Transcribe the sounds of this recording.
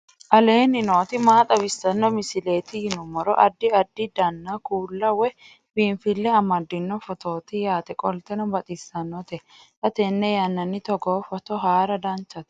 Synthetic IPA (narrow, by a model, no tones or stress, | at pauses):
ʔɐle̞ːnɪno̞ːt̪ɪmaːt̪ʼɐbɪsːɐnːɔmɪsɪle̞ːt̪ɪjɪnʊmɔɾɔ̰ʔɐd̪ːɪɐd̪ːɪd̪ɐnːakuːlːɐwɛ | biːnfɪlːɛɐmɐd̪ːɪnːɔfɔt̪ʰo̞ːt̪ɪjaːt̪ɛkʼɔlt̪ɛnɔbɐt̪ʼɪsːɐnːɔt̪ɛ | t̪ɐt̪ɛnːɛjɐnːɐnːɪt̪ɔɡoːfɔt̪ɔɦaːɾɐd̪ɐnt͡ʃːɐt̪